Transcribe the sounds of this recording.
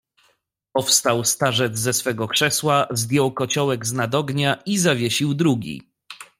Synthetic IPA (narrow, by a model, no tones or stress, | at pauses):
pɔfst̪awst̪aʐɛd̪zzɛsfɛɡɔkʂɛswazd̪ʲjɔwkɔt͡ɕɔwɛɡznad̪ɔɡɲaizavʲjeɕiwd̪ɾuɡʲḭ